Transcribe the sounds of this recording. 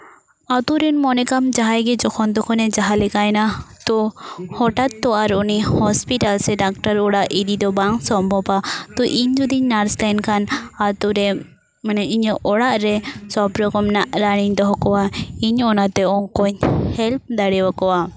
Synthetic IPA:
at̪uɾɛnmɔnɛkamd͡ʒaɦajɡɛd͡ʒɔkʰɔnd̪ɔkʰɔnɛd͡ʒaɦalɛkajnat̪ɔhɔʈat̪ːɔaɾɔnihɔspiʈalsɛɖak̚ʈaɾɔɽaʔid̪id̪ɔbaŋsɔmbʱɔbat̪ɔʔiɲd͡ʒud̪iɲnaɾslankʰanat̪uɾɛ | manɛiɲəʔɔɽaʔɾɛsɔbɾɔɡɔmnaʔɾaɽ̃iɲd̪ɔɦɔkɔwaiɲɔnat̪ɛɔkɔɲhɛlp̚d̪aɽɛwakɔwa

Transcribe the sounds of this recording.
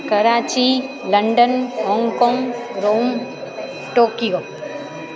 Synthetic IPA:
kɐɾaːt͡ʃi | lɐɳɖənɦɔ̃ːŋɡkɔ̃ːŋɡɾoːm | ʈoːkijo

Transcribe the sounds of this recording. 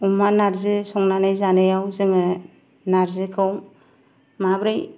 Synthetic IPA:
umanaɾzɯsɔŋnanajzanɯjawzɯŋɯ | naɾzɯkʰɯw | mabɾɯj

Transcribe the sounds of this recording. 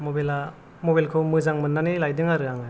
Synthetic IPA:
mobela | mobelkʰɯwmɯzaŋmɯnːanilajdɯŋaɾɯaŋɯ

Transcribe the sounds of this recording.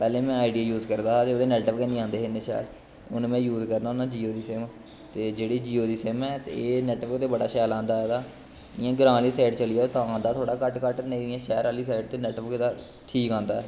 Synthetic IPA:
pɛːlẽːmɛ̃ːaːɪɖijaːjuːzkəɾd̪aːat̪eoːd̪eːnɛːʈəpkɛnĩːãːnd̪eːeneːʃɛ̰ːl | ʊ̰nmɛ̃ːjuːzkəɾd̪aːʊnãːd͡ʒiːoːd̪iːsɛːm | t̪eːd͡ʒeːɽiːd͡ʒiːoːd̪iːsɛːmɛːt̪ḛeːnɛːʈʋəkt̪eːbəɽaːʃɛːlãːnd̪aːɦɛːd̪aː | ɪjãːɡɾãːliːsɛːʈt͡ʃəlijaːt̪ãːãːnd̪aːt̪ʰoːɽaːkəʈkəʈnẽiãːʃɛːɾaːliːsɛːʈ̚t̪eːnɛːʈəpked̪aː | ʈʰiːkãːnd̪aːɛː

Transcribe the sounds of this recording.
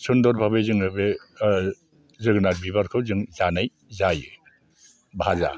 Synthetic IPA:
sɯndɔɾbʱabezɯŋɯbe | zɯɡnaɾbibaɾkʰɯwzɯŋzanaj | zajɯ | bʱaza̰

